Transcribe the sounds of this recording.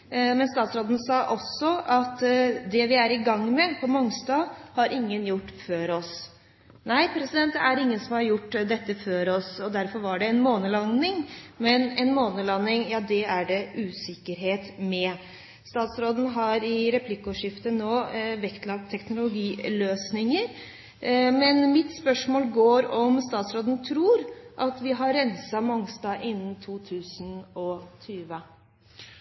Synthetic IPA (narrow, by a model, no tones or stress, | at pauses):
mɛnst̪ɑːt̪sɾoːd̪ən̩sɑːʔɔsɔʔɑt̪d̪ɛʋɪæɾɪɡɑŋːmɛpʰɔmɔŋst̪ɑːhɑɾʔɪŋːənjʊʈːføːɾɔs | næɪpʰɾɛsɪd̪ɛnt̪æɾɪŋːənsɔmhɑɾjʊʈːd̪ɛt̪ːəføːɾɔsɔd̪æɾfɔɾʋɑɖɛɛnmoːnəlɑnɪŋmɛnɛnmoːnəlɑnːɪŋjɑːd̪ɛæɖɛʔʉːsɪkːəɾɦeːt̪mɛ | st̪ɑːt̪sɾoːd̪ən̩ɦɑɾɪɾɛpʰlɪkːəɔʂɪft̪ənoːʋɛkt̪lɑɡt̪ʰːɛknʊlʊɡiːløːsnɪŋəɾ | mɛnmɪt̪spœʂmoːlɡoːɾɔmst̪ɑːt̪sɾoːd̪ənt̪ʰɾuːɾʔɑt̪ʋɪɦɑɾːɛnsɑmɔŋst̪ɑːʔɪnːnt̪ʰuːt̪ʰʉːsənɔt̪ʰyːʋə